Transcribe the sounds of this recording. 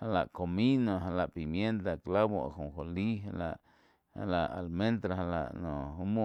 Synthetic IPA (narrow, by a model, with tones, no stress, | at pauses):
ha˧la̰˨ʔko˨mĩ˦nõ˨ɦa˧la˨ʔpi˨mje˦nt̪a˨kla˦bo˧a̰˨hũ˨xo˨li˦ɦa˧la̰˨ʔ | ha̰˧la˨ʔa̰˨lmẽ˦nt̪ɾa˧ɦa˧la̰˨ʔnõ˨u˦mõ˦˨